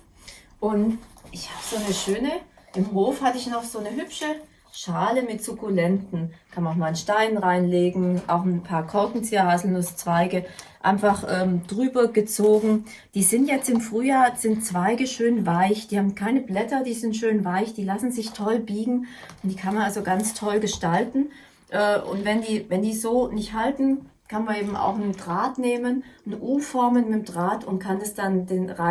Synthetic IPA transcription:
ʔʊntʔɪçhaːbəz̥oːnəʃøːnə | ʔɪmɦoːfhatəɪçnɔχz̥oːnəɦʏpʃə | ʃaːləmɪtz̥ʊkulɛntn̩kʰanmamaːlnʃtaɪnʁaɪnleːɡŋ̩ʔa̰ʊxn̩pʰaːɐkʰɔɐkŋ̩t͡siːɐʁazl̩nʊst͡sv̥aɪɡəʔa̰ɪnfaχʔɛːmd̥ʁyːbɐɡət͡soːɡŋ̩ | d̥iːzɪntjɛt͡stɪmfʁ̥yːjaːɐz̥ɪntt͡sv̥aɪɡəʃøːnvaɪçd̥iːhaːbm̩kʰaɪnəblɛtɐd̥iːzɪntʃøːnvaɪçd̥iːlasn̩zɪçtʰɔlbiːɡŋ̩ | ʊntd̥iːkʰanmanalzoɡant͡stʰɔlɡəʃtaltn̩ | ʔɛːʔʊ̰ntv̥ɛndiːvɛndiːzoːnɪçthaltn̩ | kʰanmanʔeːbm̩ʔa̰ʊxnədʁaːtneːmənnəʔuːfɔɐmənmɪtmdʁaːtʊntkʰandasd̥andeːnʁa

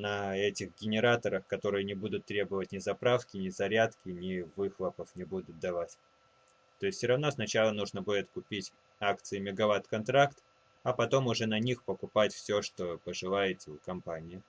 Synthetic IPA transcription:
nɐɛtʲɪxɡʲɪnʲɪɾat̪əɾəxkɐt̪o̞ɾɨjənʲɪbud̪ʊt̪ːɾʲe̞bəvətʲnʲɪzɐpɾafkʲɪnʲɪzɐɾʲat̪kʲɪnʲɪvɨxlˠəpəfnʲɪbud̪ʊt̪̚d̪ɐvatʲ | t̪o̞jɪsʲt̪ʲsʲoɾɐvno̞snɐt͡ɕalˠənuʐnəbudʲɪt̪kʊpʲitʲ | akt̪sɨɪmʲɪɡɐvat̪kɐnt̪ɾakt̪ | ɐpɐt̪o̞mʊʐɛnɐnʲixpəkʊpatʲfsʲoʂt̪o̞pəʐɨlˠajɪt̪ʲɪʊkɐmpanʲɪjɪ

